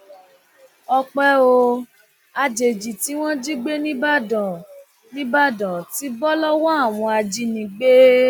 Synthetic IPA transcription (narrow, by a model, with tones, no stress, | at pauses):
ɔ˧k͡pɛ˦o˧ | a˧d͡ʒe˨d͡ʒi˨ti˨˦w̃ɔ̃˦d͡ʒi˦ɡ͡be˦nĩ˦a˦dã˨ | nĩ˦ba˦˨dã˨ti˨˦bɔ˦lɔ˦wɔ˦a˦˨w̃ɔ̃˧a˧d͡ʒi˧nĩ˧ɡ͡be˦